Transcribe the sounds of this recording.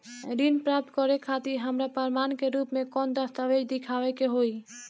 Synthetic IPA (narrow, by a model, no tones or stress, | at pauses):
ɾinpɾap̚t̪kɔɾɛkʰːat̪iɾɦəmɾapəɾmankeɾupmekɔnd̪əst̪aʋed͡ʒd̪ikʰaʋɛkeɦoj